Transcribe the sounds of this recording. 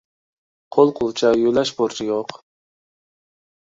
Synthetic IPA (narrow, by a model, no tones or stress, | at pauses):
qʰolˠqʰʊlˠt͡ʃʰɑjølɛʃboɾt͡ʃʰijoq